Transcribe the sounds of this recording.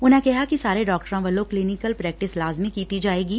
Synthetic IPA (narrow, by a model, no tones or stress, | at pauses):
ʊnɦẽkɛɦakisaːɾeɖɔːkʈəɾãʋɐlːokliːnɪkəlpɾɛːk̚ʈɪslaːzmikiːt̪id͡ʒaːeːɡiː